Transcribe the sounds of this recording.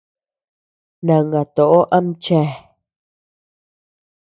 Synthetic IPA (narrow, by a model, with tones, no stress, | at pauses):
nã˨ŋɡa˨t̪o˨ʔo˦ʔã˧˦m̩˦t͡ʃɛ˧˨